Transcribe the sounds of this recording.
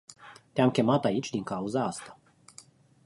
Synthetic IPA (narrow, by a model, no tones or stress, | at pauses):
t̪eamkʲe̞mat̪ait͡ʃʲd̪iŋkauzaast̪ḁ